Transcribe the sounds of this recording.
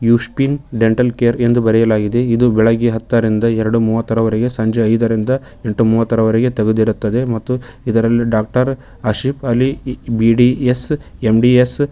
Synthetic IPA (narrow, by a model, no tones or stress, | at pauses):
juːʂpiːnɖe̞ɳʈɐlkeːɾe̞nd̪ubɐɾɛjɐlaːɡid̪e̞id̪ubɛɭɐɡiɦɐt̪ːɐɾind̪ɐɛɾɐɽumuːʋɐt̪ːɐɾɐʋɐɾeɡe̞sɐɲd͡ʒeɐjd̪ɐɾind̪ɐ | e̞ɳʈːumuːʋɐt̪ːɐɾɐʋɐɾeɡe̞t̪ɐɡud̪iɾut̪ːɐd̪e̞mɐt̪ːuid̪ɐɾɐlːiɖaːk̚ʈɐɾ | ɐʃipɐlːibiɖiesemɖies